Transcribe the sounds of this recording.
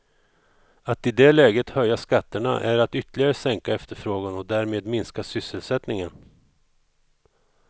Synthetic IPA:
at̪ɪd̪ɛlɛːɡət̪hœjːaskat̪ːəɳa̰ʔæɾat̪ʏt̪ːəlɪɡaɾəsɛŋkaɛft̪əɾfɾoːɡanɔd̪æːɾmeːd̪mɪnskasʏsːəlsɛt̪nɪŋən

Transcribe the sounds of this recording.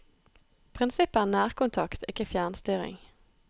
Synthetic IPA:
pʰʁɪnsɪpənæːʁkʊnt̪ʰɑkt̪ʰɪkəfjæːnst̪yːʁɪ̰ŋ

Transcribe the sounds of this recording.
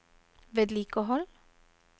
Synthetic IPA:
ʋeːd̪liːkəɦɔl

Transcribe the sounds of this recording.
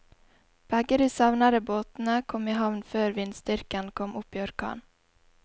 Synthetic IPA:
b̥aɡəɾɪsɑvnad̪əboːt̪nəkʰɔmːɪɦavnfœːɾvɪnd̪st̪ʏɾkankʰɔmːʔɵpːɪɔɾkʰɑ̰ːn

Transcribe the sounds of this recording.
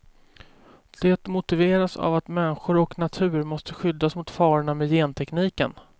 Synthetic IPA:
d̪̥ɛt̪mʊt̪ɪveːɾasa̰vat̪mɛnɧʊɾɔknat̪ʰʉ̟ːɾmɔst̪əɧʏd̪ːasmʊt̪fɑːɾɳamɛjeːnt̪ʰɛkniːkə̰n

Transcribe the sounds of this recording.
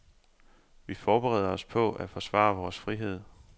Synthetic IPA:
ʋifɒːb̥eʁɛ̰ːð̰ˠɐɒ̽spʰɔ̽æfɒ̽sʋɑ̰̈ːʋɒːsfʁiɦe̝ð̰ˠ

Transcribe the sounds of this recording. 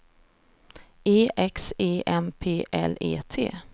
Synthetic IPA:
eːʔɛkseːʔɛmpʰeːʔɛ̰lḛːt̪ʰḛː

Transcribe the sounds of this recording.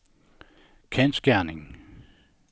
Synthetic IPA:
kʰensɡ̥æɐnɪŋ

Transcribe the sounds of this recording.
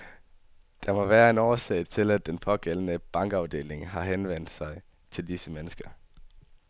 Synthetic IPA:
d̥ɑ̈mɒ̽ʋæːɐe̝nɒːsɛ̰ɪt͡sʰe̝læd̥enpʰɒ̽ɡ̥el̰ən̩əb̥ɑ̈ŋ̰ɡ̥ɑ̈ʊd̥e̝̰ːle̝ŋɦɑ̈ɦenʋen̰d̥sɑ̈ɪ | t͡sʰe̝ld̥isəmenəsɡ̥ɐ

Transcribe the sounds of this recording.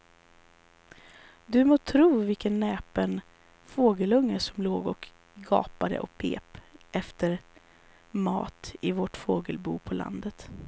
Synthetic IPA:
d̪ɵmoːt̪ʰɾuːvɪlkənːɛːpən | foːɡəlɵŋːəʂɔmloːɡɔk | ɡɑ̰ːpad̪ə̰ʔɔkpʰḛːpʔɛft̪əɾ | mɑ̰ːt̪ɪvoʈfoːɡəlbṵːpʰɔla̰nd̪ət̪

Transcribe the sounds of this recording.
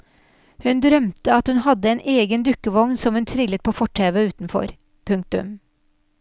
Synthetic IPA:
hʉnd̪ɾœmt̪əɑt̪hʉnhɑd̪əeːnʔeːɡənd̪ʉkəʋɔŋnsɔmhʉnt̪ʰɾɪlət̪̚pʰoːfɔʈʰeːʋəʉːt̪n̩fɔ̰ɾ | pʰʉŋk̚t̪ʉ̰m

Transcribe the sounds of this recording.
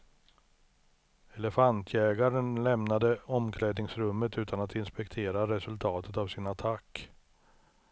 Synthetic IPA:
ɛlɛfant̪ʰjɛːɡaɾənlɛmnad̪əɔmkʰlɛːd̪nɪŋsɾɵmːət̪ʉ̟ːt̪anat̪ɪnspɛkt̪ʰeːɾaɾɛsɵlt̪ʰɑːt̪ət̪avsɪnat̪ʰakː

